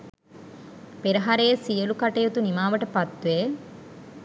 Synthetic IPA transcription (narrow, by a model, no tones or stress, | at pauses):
peɾɐɦaɾeːsijəlukaʈejut̪unimaːʋəʈəpat̪ːuʋeː